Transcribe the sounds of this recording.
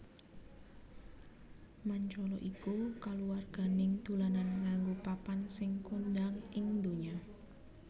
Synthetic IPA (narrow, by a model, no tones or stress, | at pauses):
maɲt͡ʃɔlɔʔikukaluwarɡ̥a̤nɪŋd̪̥ulananŋaŋɡupapansɪŋkund̪aŋɪŋd̪oɲa